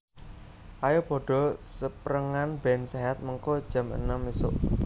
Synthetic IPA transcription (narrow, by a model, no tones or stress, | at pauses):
ʔajob̥ɔ̤ɖ̥ɔ̤səpɾəŋanbɛnseɦat̪̚məŋkod̥ʒ̥a̤mə̰nəmisʊ̰ʔ